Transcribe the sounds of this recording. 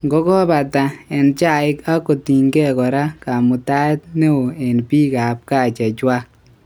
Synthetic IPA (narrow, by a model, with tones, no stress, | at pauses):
ŋɡɔ˦kɔ˦pa˨ta˨ɛ˨nt͡ʃa˦ɪ˦ka˦ko˨ti˨ŋɡɛ˦kɔ˨ɾa˦ka˨mu˨ta˦t̚ne˦wo˨e˨npiː˦ka˨p̚ka˦˨t͡ʃa˨t͡ʃwa˦k̚